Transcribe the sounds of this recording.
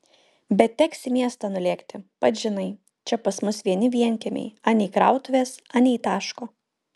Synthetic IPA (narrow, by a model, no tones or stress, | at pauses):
bʲɛt̪̚t̪ʲɛksʲɪmʲiɛst̪ɑnʊlʲeːkt̪ʲɪpɐt̪ʒʲɪnɐɪ | t͡ʃʲɛpɐsmʊsʋʲiɛnʲɪʋʲiɛnʲkʲɛmʲɛ̰ɪɑːnʲɛikɾɑ̰ʊt̪ʊʋʲeːsɑnʲɛit̪ɑːʃkoː